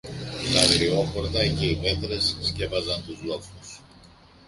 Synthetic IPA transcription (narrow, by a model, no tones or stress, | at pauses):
t̪ɐðɾio̞xo̞ɾt̪ɐce̞ipeθɾesːce̞vɐzɐnt̪uzlo̞fus